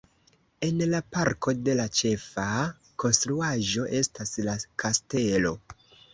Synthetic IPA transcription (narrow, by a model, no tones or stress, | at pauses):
e̞nlapaɾkʰo̞de̞lat͡ʃe̞fa | ko̞nstɾuaʒo̞ʔe̞staslakʰaste̞lo̞